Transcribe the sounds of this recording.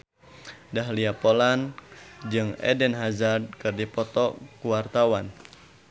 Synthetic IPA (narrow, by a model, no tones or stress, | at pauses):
dahliapoland͡ʒɨŋɛ̰dɛnɦazad̚kɨrdipɔt̪ɔkuwart̪awan